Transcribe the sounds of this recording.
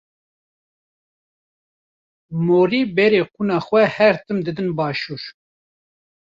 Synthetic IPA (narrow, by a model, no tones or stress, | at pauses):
moːɾiːbɛɾeːqʰunɑːxʷɛhɛɾt̪ɨmd̪ɨd̪ɨnbɑːʃuːɾ